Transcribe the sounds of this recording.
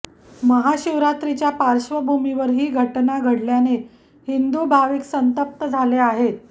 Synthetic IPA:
məɦaɕiʋɾat̪ɾit͡ɕjapaɾɕʋəbʱumiʋəɾɦiːɡʱəʈnaɡʱəɽljane | hind̪uːbʱaʋiːksənt̪əp̚t̪əd͡zʱaleaɦet̪̚

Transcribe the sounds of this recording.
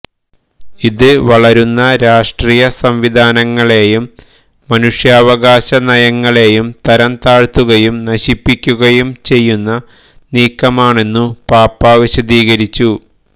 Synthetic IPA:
iðɨʋɐɭɐɾunːɐɾaːʂʈriːjɐsɐmʋid̪ʱaːnɐŋːɐɭe̞ːjumː | ɐnuʂjaːʋɐɣaːɕɐnɐjɐŋːɐɭe̞jumt̪ɐɾɐnt̪aːɻt̪ːuɣɐjumnɐɕipːikʲːuɣɐjumt͡ɕe̞jːunːɐ | niːkːɐmaːɳe̞nːupaːpːaːʋiɕɐðiːɣɐɾit͡ɕːu

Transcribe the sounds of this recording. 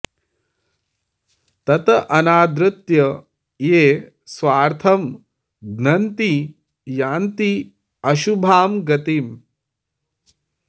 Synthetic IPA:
t̪ɐt̪ɐʔɐnaːd̪ɾɨt̪jɐ | jeː | sʋaːɾt̪ʰɐm | ɡnɐnt̪i | jaːnt̪i | ɐʃubʱaːmɡɐt̪iːm

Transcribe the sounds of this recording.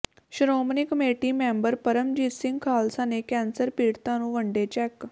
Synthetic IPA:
ɕɾomnikmeʈimɛmbəɾpəɾəmd͡ʑisĩŋɡkʰaːlsanekɛ̃nsəɾpiːɽt̪anũːʋəɳɖet͡ɕɛk

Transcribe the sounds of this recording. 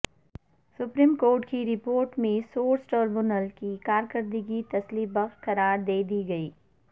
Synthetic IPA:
sʊpɾiːmkoːɾʈkiɾɪpoːɾʈmẽsoːɾsʈəɾbʊnəlkikaːɾkəɾd̪iɡit̪ɐslibɐxkɐɾaːɾd̪eːd̪iɡɐiː

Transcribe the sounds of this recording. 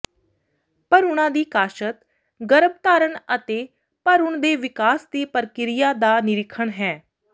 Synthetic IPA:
pəɾʊɳ̃ãːd̪iːkaːʃət̪ | ɡəɾəb̚t̪aːɾəɳət̪eː | pəɾʊɳd̪eːʋɪkaːsd̪iːpəɾkɪɾɪjaːd̪aːnɪɾɪkʰːəɳɦɛː

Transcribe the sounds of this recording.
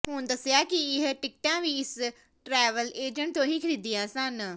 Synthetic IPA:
ɦũːnd̪ɐsijakiɪɦəʈɪk̚ʈãːʋiɪs | ʈɾɛːʋəleːd͡ʒə̃ɳʈ̚t̪õɦikʰɐɾiːd̪iãːsãːnɐ

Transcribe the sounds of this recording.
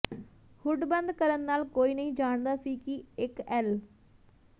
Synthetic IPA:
hʊɖbənd̪kəɾənːaːlkoːiːnəĩːd͡ʒaːɳd̪aːsiːkɪɪkɛːl

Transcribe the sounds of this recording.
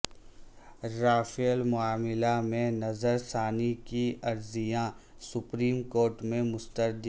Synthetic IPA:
ɾaːfiəlmʊaːmɪlamẽnɐzəɾsaːnikiɐɾzijãsʊpɾiːmkoːɾʈmẽmʊst̪əɾd̪

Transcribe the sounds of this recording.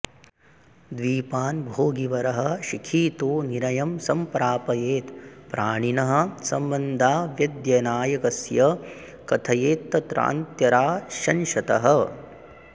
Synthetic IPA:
d̪ʋiːpaːnbʱoːɡiʋɐɾɐɦɐ̆ʃikʰiːt̪oːniɾɐjɐmsɐmpɾaːpɐjeːt̪pɾaːɳinɐɦɐ̆sɐmbɐnd̪ʱaːʋjɐd̪jɐnaːjɐkɐsjɐ | kɐt̪ʰɐjeːt̪ːɐt̪ɾa̰ːnt̪jɐɾaːʃɐnʃɐt̪ɐ̰ɦɐ̆

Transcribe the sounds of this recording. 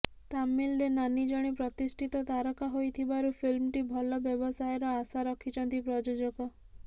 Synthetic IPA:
t̪amːilːenanid͡ʒɔɽ̃ipɾɔt̪isʈʰit̪ɔt̪aɾɔkaɦojt̪ʰibaɾupʰilmʈibʱɔlɔbjɔbɔsajɔɾɔasaɾɔkʰit͡ʃɔnt̪ipɾɔd͡ʒod͡ʒɔɡɔ

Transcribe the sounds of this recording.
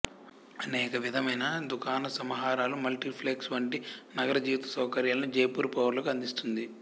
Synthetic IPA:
ɐnɛːkɐʋid̪ʱɐmɐjnɐd̪ukʰaːnɐsɐmɐɦaːɾaːlumɐlʈipʰleːksʋɐɳʈinɐɡɐɾɐd͡ʒiːʋt̪ɐ̥sɐwkɐɾjaːlɐnud͡ʒɐjpuːɾpɐʋɐɾlɐkuɐnd̪ist̪und̪i

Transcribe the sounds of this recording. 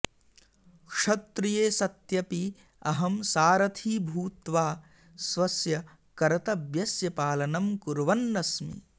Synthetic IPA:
kʂɐt̪ɾijeːsɐt̪jɐpi | ɐɦɐmsaːɾɐt̪ʰiːbʱuːt̪ʋaː | sʋɐsjɐ | kɐɾɐt̪ɐbjɐsjɐpaːlɐnɐmkuɾʋɐnːɐsmḭ

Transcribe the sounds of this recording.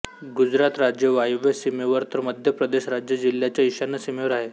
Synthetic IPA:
ɡud͡zɾat̪ɾad͡ʑjəʋajoʋjəsimeʋəɾt̪əɾməd̪ʱjəpɾəd̪eɕɾad͡ʑjəd͡ʑiljat͡ɕjaiɕanːəsimeʋəɾaɦe

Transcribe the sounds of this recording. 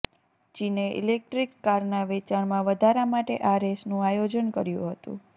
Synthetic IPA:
t͡ʃineʔḭlek̚ʈɾikːaɾnaʋet͡ʃaɳmãʋəd̪ʱaɾamaʈeʔaɾesnũajod͡ʒənkəɾjṵ̃ɦət̪ṵ̃

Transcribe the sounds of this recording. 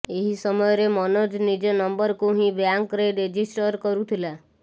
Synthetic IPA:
eɦisɔmɔjɔɾemɔnɔd͡ʒnid͡ʒɔnɔmbɔɾkuɦĩbjaŋkɾeɖɾed͡ʒisʈɔɾkɔɾut̪ʰila

